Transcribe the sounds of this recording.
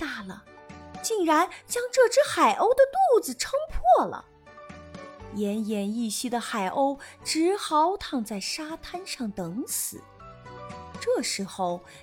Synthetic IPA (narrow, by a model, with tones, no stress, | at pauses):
t̪a˥˩lə˩t͡ɕi˥˩nɻa˧˥nt͡ɕjɑ˥ŋʈ͡ʂɤ˥˧ʈ͡ʂɻ̩˥xa˨˩ɪʔo˥ʊd̪ə˨t̪u˥˩d͡zɹ̩˨˩ʈ͡ʂʰɤ˥ŋpʰwɔ˥˩lə̰˩ | jɛ˧˥njɛ˧˥ni˥˩ɕi˥d̪ə˨xa˨˩ɪʔo˥ʊʈ͡ʂɻ̩˧˥xɑ˧˥ʊt̪ʰɑ˥˧ŋt͡sa˥˩ɪʂa˥t̪ʰa˥nʂɑ˥˩ŋt̪ɤ˧˥ŋt͡sʰɹ̩˨˩˦ | ʈ͡ʂɤ˥˩ʂɻ̩˧˥xo˥˧ʊ